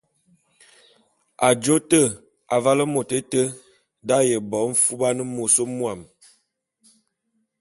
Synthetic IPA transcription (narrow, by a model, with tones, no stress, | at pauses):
a˨d͡ʒo˦tə˦˨ | a˨va˦lə˦mo˨te˦tə˦ | da˦jə˨bɔ˨˦m̩˦fu˦ba˦nə˦mo˨so˦mwa˨m